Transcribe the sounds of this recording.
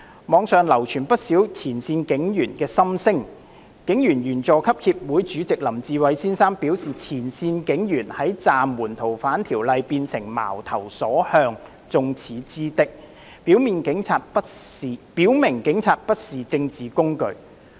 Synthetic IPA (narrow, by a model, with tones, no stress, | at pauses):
mɔː˨˧ŋsœː˨ŋlɐ˨˩wt͡ʃʰyː˨˩npɐ˥t̚siː˨˥wt͡sʰiː˨˩nsiː˧nkɪ˨˥ŋjyː˨˩nkɛː˧sɐ˥msɪ˥ŋ | kɪ˨˥ŋjyː˨˩njyː˨˩nt͡sɔː˨kʰɐ˥p̚hiː˧p̚wuː˨˥jt͡ʃyː˨˥t͡sɪ˨k̚lɐ˨˩mt͡siː˨˧wɐ˨˧jsiː˥nsaː˥ŋpiː˨˥wsiː˨t͡sʰiː˨˩nsiː˧nkɪ˨˥ŋjyː˨˩nhɐ˨˥jt͡saː˨mːuː˨˩nt̪ʰo˨˩wfaː˨˥nt̪ʰiː˨˩wlɐ˧jpiː˧nsɪ˨˩ŋma̰ː˨˩wt̪ʰɐ˨˩wsɔː˨˥hœː˧ŋ | t͡sʊ˧ŋt͡sʰiː˨˥t͡siː˥t̪ɪ˥k̚ | piː˨˥wmiː˨nkɪ˨˥ŋt͡sʰaː˧t̚pːpiː˨˥wmɪ˨˩ŋkɪ˨˥ŋt͡sʰaː˧t̚pɐ˥t̚siː˨t͡sɪ˧ŋt͡siː˨kʊ˥ŋkɵ˧ɥ